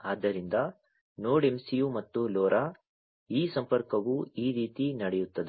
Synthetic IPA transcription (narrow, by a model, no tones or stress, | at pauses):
aːd̪ːɐɾind̪ɐ | noːɽemsijumɐt̪ːulɔːɾʔa | iːsɐmpɐɾkɐʋuiːɾiːt̪inɐɽɛjut̪ːɐd̪e